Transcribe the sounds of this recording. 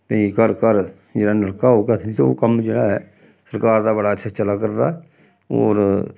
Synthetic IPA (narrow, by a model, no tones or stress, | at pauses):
t̪ə̃ĩkəɾkəɾ | d͡ʒeːɽaːnəɽkaːɦoːɡat̪ʰit̪o̰ːkəmd͡ʒeːɽaːɦɛː | səɾkaːɾd̪aːbəɽaːətːʃʰaːt͡ʃəlaːkəɾd̪a | o̰ːɾ